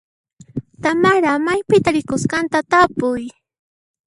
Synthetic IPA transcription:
t̪amaɾamajpɪt̪aɾɪkʊskant̪at̪apʊj

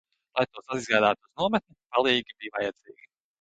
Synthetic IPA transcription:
lˠajt̪uɔsaizɡaːd̪aːt̪ːz̥nuɔmɛt̪̚ʲnʲupalˠiːɡʲibijvajɛd̪z̥iːɡʲi

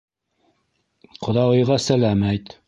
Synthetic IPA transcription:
qʰŏðɑwɤ̆jʁɑsælæmæjt̪

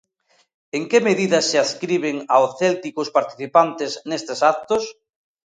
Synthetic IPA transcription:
eŋkemeðiðɐsɪaskɾiβ̞eŋaoθɛlt̪ikʊspaɾt̪i̥θipant̪ɪsnest̪esak̚t̪os

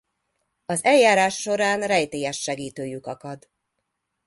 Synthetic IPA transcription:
ɒzɛljaːɾaːʃːo̞ɾaːnrɛjt̪eːjɛʃːɛɡiːt̪øːjykɒkɒd̪

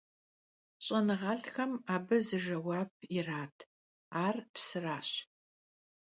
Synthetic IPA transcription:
ɕʼɐnɨʁɐɬxɐmaːbɐzɨʒɐwaːp̚ʰiraːtʰ | aːrpsɨraːɕ

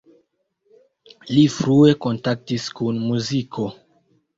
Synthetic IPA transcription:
lifɾue̞ko̞ntak̚tiskunmuzikʰo̞

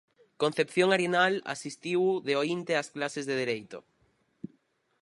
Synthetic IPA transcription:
kon̟θepθjoŋaɾjenala̰sist̪iwðeoint̪easklasezðeð̞eɾejt̪o̰

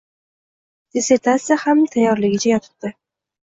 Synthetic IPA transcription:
d̪̥eset̪ʰasɪhamt̪ʰajɒɾlɪɡʲɪt͡ʃʰajɒt̪ʰʊ̥t̚d̪ɪ

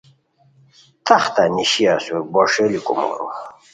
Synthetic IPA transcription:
t̪aχt̪aniɕiasuebɔʂelikumo̰ɾṵ

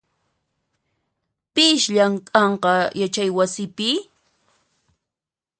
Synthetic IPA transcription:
pɪʃʎaŋkʼɑɴqɑjat͡ʃajwasɪpɪ

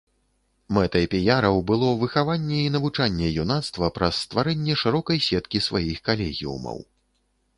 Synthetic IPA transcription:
mɛt̪ɐpʲɛjaɾɐwbɨlˠɔvɨxavanʲːɛinɐvut͡ʂanʲːɛjunat̪st̪vɐpɾɐsːt̪vaɾɛnʲːɛʂɨɾɔkɐjsʲɛt̪kʲisvajixkalʲɛɣʲḭṵmɐ̰w

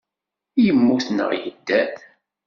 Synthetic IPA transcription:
jəmːuθnə̰ʁjə̰d̪ːæθ

